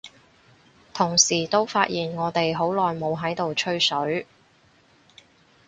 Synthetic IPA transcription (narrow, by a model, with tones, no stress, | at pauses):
t̪ʰʊ˨˩ŋsiː˨˩t̪o˥wfaː˧˥t̚ʔjiː˨˩nŋɔː˨˧t̪e˨jɦo˨˥wlɔː˨jmo˨˧wɦɐ˨˥jt̪o˨wt͡ʃʰɵ˥ɥsɵ˨˥ɥ